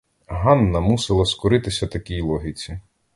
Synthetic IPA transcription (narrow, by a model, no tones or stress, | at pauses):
ɦɑnːɐmusɪlˠɐskʊɾɪt̪ɪsʲɐt̪ɐkʲijlˠɔɦʲit͡sʲi